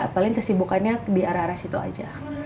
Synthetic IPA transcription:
palɪŋt̪ərsibukanɲadiaɾaaɾasit̪ua̰d͡ʒa̰

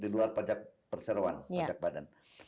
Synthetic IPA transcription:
diluarpad͡ʒak̚pərsəɾoa̰npad͡ʒak̚badan

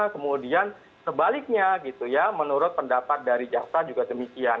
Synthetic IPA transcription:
kəmudian | səbalɪk̚ɲaɡit̪ujamənuɾʊt̪̚pəndapat̪̚daɾid͡ʒaksad͡ʒuɡadəmikian

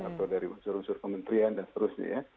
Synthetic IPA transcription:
a̰t̪awdaɾiunsʊɾunsʊrkəmənt̪ɾiandansə̥t̪əɾʊsɲa̰ja

